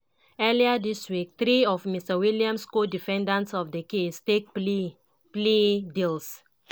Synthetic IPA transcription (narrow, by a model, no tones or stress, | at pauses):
ɛliədiswik̚t̪ɾiɔfmistəwiliãmskodifɛ̃ndãntsɔfdəkestek̚ | pledils